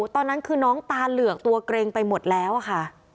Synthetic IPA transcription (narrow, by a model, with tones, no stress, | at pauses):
t̪ɔː˧nːa˦˥nkʰɯː˧nɔː˦˥ŋt̪aː˧nlɯ˨˩ək̚t̪u˧ɐkɾeː˧ŋpa˧jmo˨˩t̪̚lɛː˦˥wʔa˨˩kʰa˥˩